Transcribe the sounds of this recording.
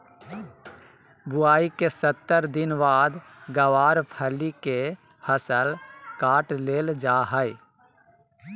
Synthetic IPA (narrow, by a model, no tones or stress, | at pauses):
bʊaːikesət̪ːəɾd̪ɪnʋaːd̪ | ɡəwaːɾpʰəlike | həsəlkaːʈleːld͡ʒaːɦəɪ